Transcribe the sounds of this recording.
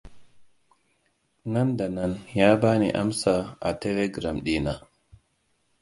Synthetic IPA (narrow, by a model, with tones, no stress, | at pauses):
na˦nda˨na˦njaː˦baː˦nḭ˨ʔa̰˦msa˨ʔa˨tɛ˦le˦ɡɾa˨mɗi˦na˨